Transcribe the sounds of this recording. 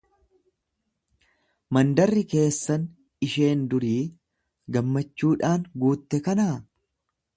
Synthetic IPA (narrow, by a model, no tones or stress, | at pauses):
mɐnd̪ɐrːɪke̞ːsːɐn | ɪʃe̞ːnd̪ʊɾiː | ɡɐmːɐt͡ʃːuːᶑaːŋɡuːt̪ːɛkɐnaː